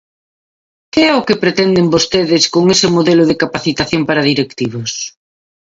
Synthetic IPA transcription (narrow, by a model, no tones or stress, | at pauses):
keɛʊkepɾet̪ɛnd̪embost̪eðɪskoŋesɪmoðelʊðekapaθit̪aθjompaɾaðiɾekt̪iβ̞os